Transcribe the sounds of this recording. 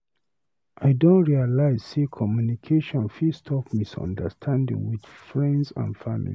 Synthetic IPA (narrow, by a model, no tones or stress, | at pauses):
ʔaɪdõntɹialaɪz̥sekʰɔmjunikʰeʃɔ̃nfistʰɔfmisɔ̰̃ndə̰stʰãndḭ̃ŋwid̥fɹɛ̃ndsã̰nfamḭli